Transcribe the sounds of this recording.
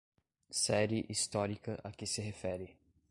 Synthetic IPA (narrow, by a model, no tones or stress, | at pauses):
sɛɾɪʔist̪ɔɾikɐʔakɪsɪɦefɛɾɪ